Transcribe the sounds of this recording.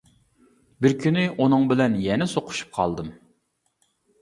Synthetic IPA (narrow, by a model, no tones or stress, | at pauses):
bɪɾkʲʰynɪʔunɨŋbɪlɛnjɛnɪsoqʰʊ̥ʃu̥p̚qʰɑ̰lˠd̪ɨm